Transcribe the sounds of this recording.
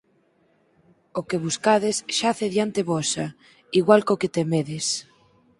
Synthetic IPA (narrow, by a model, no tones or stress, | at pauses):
okeβuskaðesʃaθeðjant̪eβɔsa | iɣwalkoket̪emeðɪs